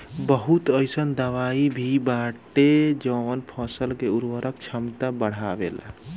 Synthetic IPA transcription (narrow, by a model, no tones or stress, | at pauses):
bəɦut̪əjsənd̪əʋaibʱibaʈed͡ʒəʋənpʰɔ̃səlkeuɾʋəɾək̚t͡ʃʰəmt̪abəɽ̤abḛl̰